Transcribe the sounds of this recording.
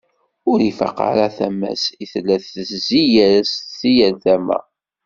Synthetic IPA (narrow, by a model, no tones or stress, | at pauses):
ʊɾifa̰qa̰ɾaθæmæ̰siθlːæθːəszijæɾssijælθæmæ̰